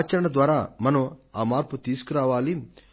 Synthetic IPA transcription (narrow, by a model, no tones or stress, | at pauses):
t͡ʃɐɾɐɳɐd̪ʋaːɾaːmɐnɐaːmaːɾput̪iːsu̥kuɾaːʋaːli